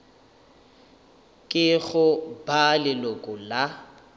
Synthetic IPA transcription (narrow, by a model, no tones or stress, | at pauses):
kʼɪɣʊbalɪlʊkʼʊla